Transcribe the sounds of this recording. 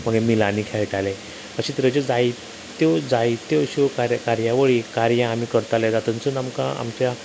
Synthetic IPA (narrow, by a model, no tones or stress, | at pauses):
m̤əɡemilanikʰɛɭʈalɛ | əɕiːt̪əɾəd͡ʑed͡zaj | t̪od͡zajt̪oɕikaɾkaɾjaʋəɭikaɾjãːmiːkəɾt̪aled̪at̪ənt͡sənamkã̰a̰mt͡ɕja